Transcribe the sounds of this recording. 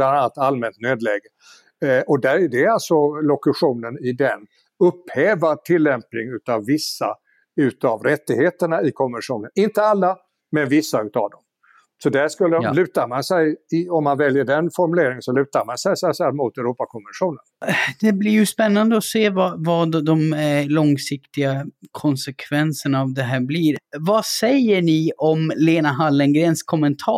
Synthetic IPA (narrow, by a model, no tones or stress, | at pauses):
blananalt̪almɛnt̪nøːd̪lɛːɡə | ʔɔd̪æɾdɛalt̪sɔlɔkɵɧuːnənɪd̪ɛn | ɵpːhɛːvaʈʰɪlːɛmpnɪŋʉ̟ːt̪avːɪsːa̰ | ʉ̟ːt̪avɾɛt̪ːɪɡheːt̪əɳaɪkʰɔmvənʂuːnənɪnt̪əalːa | mɛnvɪsːaʉ̟ːt̪a̰vd̪ɔm | sɔd̪æʂkɵlːəlʉ̟ːt̪aɾmansɛjɪɔmːanvɛljəɖɛnfɔɾmɵleːɾɪŋsɔlʉ̟ːt̪aɾmansɛjsɛsɛlmʊt̪ɛɾuːpakʰɔmənɧuːnənd̪̥ɛblɪɾjɵspɛnːand̪əɔseːvavɑd̪d̪ɔmælɔŋsɪkt̪ɪɡakʰɔnsɛkʰvɛnsəɳaːvd̪ɛɦæːɾbliːɾvasɛjːəɳɪɔmleːnaɦalːənɡɾeːnskʰɔmɛnt̪ʰɑː